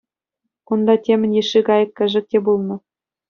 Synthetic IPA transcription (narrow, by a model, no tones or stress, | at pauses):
kund̪ɑtʲemʲɘ̆nʲjeʃːiɡɑjɤ̆kʲːɘ̆ʐɘ̆k̚tʲebulˠnɤ̆